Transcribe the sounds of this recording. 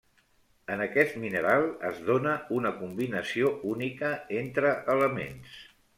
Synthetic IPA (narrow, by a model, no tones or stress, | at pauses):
ənəkɛst̪minəɾalˠə̰zðonəunəkumbinəsiounikəent̪ɾəʔələmḛns